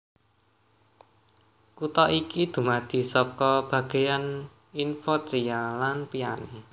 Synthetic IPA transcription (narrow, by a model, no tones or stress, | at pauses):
kut̪ɔʔikid̪̥ṳmad̪̥i̤sɔkɔb̥ä̤ɡ̥e̤jan | infɔt͡ʃijalanpiane